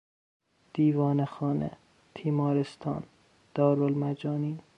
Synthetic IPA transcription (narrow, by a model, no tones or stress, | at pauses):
d̪̥iːvɒːnexɒːnḛ | t̪ʰiːmɒːɾest̪ʰɒ̰ːn | d̪̥ɒːɾolmæd͡ʒɒːniːn